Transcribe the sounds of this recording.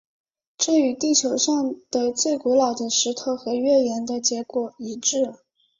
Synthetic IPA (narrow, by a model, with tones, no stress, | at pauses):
ʈ͡ʂ̩˥˩y˨˩˥t̪i˥˩t͡ɕʰjo˧˥ʊʂɑ˥˩ŋd̪̥ə˨t͡swe˥˩ɪku˧˥lɑ˨˩ʊd̪ə˦ʂɻ̩˧˥t̪ʰo˧˥ʊxɤ˧˥ɥɛ˥˩jɛ˧˥nd̪ə˧t͡ɕjɛ˧˥kwɔ˨˩i˧˥ʈ͡ʂɻ̩˥˩